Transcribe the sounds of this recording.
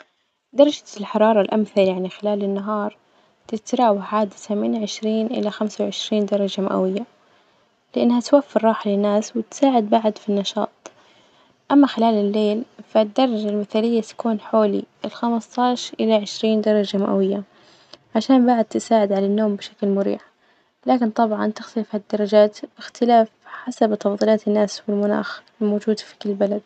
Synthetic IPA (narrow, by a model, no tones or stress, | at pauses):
d̪ɑɾˤɑd͡ʒalħɑɾˤɑːɾˤɑlʔamθaljaʕnixɪlaːlɪnːaɦɑːɾˤ | t̪ɪt̪ɾˤɑːwaħʕaːd̪ɪθamɪnʕɪʃɾiːnʔɪ̰laxamsawʕɪʃɾiːnd̪ɑɾˤɑd͡ʒama̰ʔa̰wɪjːa | lɪʔanːhat̪wafːɪɾːˤɑːħlɪnːaːswɪt̪saːʕɪd̪̚baʕd̪finːɑʃɑ̰ːt̪ˤ | ʔamːaxɪlaːlɪlːeːlfad̪ːɑɾˤːɑd͡ʒalmɪθaːlɪjːat̪ḁkuːnħoːlḭɪlxamst̪ɑːʃɾʔɪlaʕɪʃɾiːnd̪ɑɾˤɑd͡ʒamaʔa̰wɪjːa | ʕaʃaːnbaʕd̪̚t̪ɪsaːʕɪd̪ʕalanːoːmbɪʃaklmʊɾḭːħ | laːkɪnt̪ˤɑbʕɑnt̪ɪxt̪alɪfhad̪ːɑɾˤɑd͡ʒaːt̪bɪxt̪ɪlaːfħasabt̪ɑfd̪ˤiːlɑːt̪ɪnːaːswɪlmʊna̰ːx | moːd͡ʒuːd̪fi̥kʊlːbalad̪̚